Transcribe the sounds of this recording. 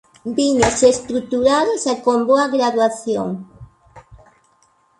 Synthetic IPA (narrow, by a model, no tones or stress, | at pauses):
biɲosest̪ɾut̪uɾaðosakomboaɣɾaðwaθjo̰ŋ